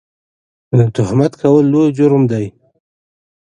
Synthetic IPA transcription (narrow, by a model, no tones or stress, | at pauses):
t̪ʊhmat̪kʰawəlːojd͡ʒʊɾmd̪aj